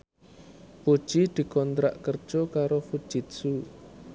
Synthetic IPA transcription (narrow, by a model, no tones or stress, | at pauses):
pu̥ʒ̥id̪̥i̤kɔnt̪ɾa̰ʔkərd̥ʒ̥ɔkaɾofud̥ʒ̥it̪̚su